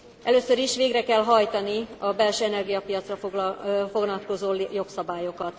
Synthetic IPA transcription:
ʔɛ̰løːsøɾiʃʋeːɡrɛkɛlɦɒjt̪ɒniɒbɛlʃøːɛnɛrɡijɒpijɒt̪srɒfo̞ɡlɒt̪̚ko̞zoːjo̞ksɒbaːjo̞kɒt̪

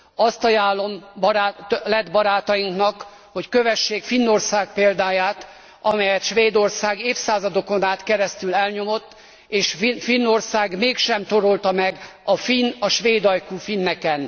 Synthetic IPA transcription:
ɒst̪ɒjaːlːo̞mbalɛd̪bɒɾaːt̪ɒjiŋknɒk | ho̞ckøvɛʃːeːkfinːorsaːk̚peːld̪aːjaːt̪ | ɒmɛjɛt̪ʃʋeːd̪o̞rsaːɡeːfsaːzɒd̪o̞ko̞naːt̪kɛɾɛst̪ylɛlɲo̞mo̞t̪ː | eːʃfinːo̞rsaːɡmeːkʃɛmt̪o̞ɾo̞lt̪ɒmɛɡɒfinɒʃʋeːd̪ɒjkuːfinːɛkɛn

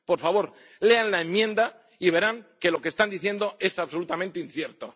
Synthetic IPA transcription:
po̞ɾfaβo̞ɾ | le̞anlaemːjẽ̞nd̪a | iβ̞e̞ɾaŋke̞lo̞kest̪and̪iθje̞nd̪o̞e̞saβso̞lut̪amẽnt̪einθje̞ɾt̪o

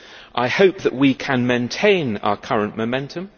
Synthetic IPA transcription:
ʔaɪhəʊp̚ðəʔwikʰə̃nmẽɪ̃ntʰẽɪ̃na̰ʊəkʰʌɹə̃nʔməʊmɛ̃ntʰə̃m

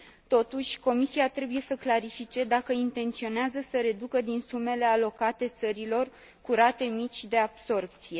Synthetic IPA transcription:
t̪o̞t̪uʃʲko̞misiat̪ɾe̞buje̞səklaɾifit͡ʃe̞d̪akəint̪e̞nt̪sio̞neazəsəɾe̞d̪ukəd̪insume̞le̞alo̞kat̪e̞t̪səɾilo̞r | kuɾat̪e̞mit͡ʃʲd̪e̞ab̥so̞rp̚t̪sije̞

